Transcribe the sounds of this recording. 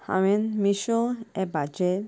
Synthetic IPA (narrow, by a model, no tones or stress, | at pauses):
ha̰wenmiʃoɛbad͡ʒe